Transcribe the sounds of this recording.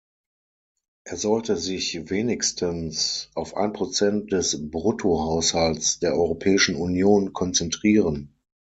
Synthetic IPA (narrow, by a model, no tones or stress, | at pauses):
ʔeːɐzɔltəzɪçveːnɪkstʰənsʔaʊfʔa̰ɪnpʁ̥ot͡sɛnt̚d̥ɛsbʁʊtʰohaʊshalsd̥eːɐʔɔʏʁopʰɛːɪʃn̩unjoːnkʰɔnt͡sɛntʁ̥iːʁən